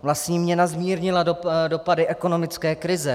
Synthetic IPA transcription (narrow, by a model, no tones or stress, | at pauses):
vlast̪ɲiːmɲɛnazmiːɾɲɪladodo̞padɪʔɛko̞no̞mɪt͡skɛːkɾɪzɛ